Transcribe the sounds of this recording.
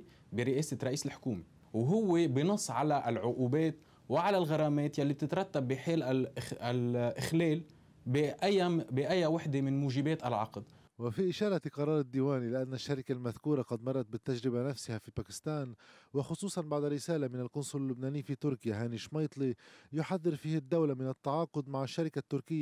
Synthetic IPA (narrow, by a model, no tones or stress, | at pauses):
bɪɾɪʔeːsɪɾˤɑʔiːsɪlħʊ̥kuːme | wɦʊwːebɪnʊsˤːʕalaʔlʕʊʔuːbeːt̪ | wɪʕalalɣɑɾˤɑːmeːt̪jalːib̚t̪ɪt̪ɾˤɑt̪ːabːɪħeːlaalʔɪxleːl | bʔajːabɪʔajːawaħd̪emɪnmuːʒɪbeːt̪ʔalʕɑqd̪ | wɪfiʔɪʃɑːɾˤɑqɑɾˤɑːɾˤɪd̪ːiːwaːnilɪʔanːaʃːaɾɪkalmaðkuːɾaqɑd̪mɑrˤːɑt̪̚bɪt̪ːaʒɾɪbanafsɪhafipaːkɪ̥st̪aːnwɪxʊsˤuːsˤɑnbaʕd̪aɾɪsaːlamɪnalkʊnsˤʊlɪlːʊbnaːnɪjfit̪ʊɾkɪjaɦaːniʃmɑjt̪ˤlijʊħaðːɪɾfiːhad̪ːawlamɪnat̪ːɑʕɑːqʊd̪maʕɪʃːaɾɪkat̪ːʊɾkɪjːa